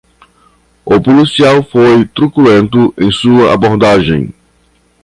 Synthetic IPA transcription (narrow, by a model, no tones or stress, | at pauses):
opulisiawfojt̪ɾukulẽnt̪ʊʔẽj̃suɐʔa̰boɾd̪aʒẽj̃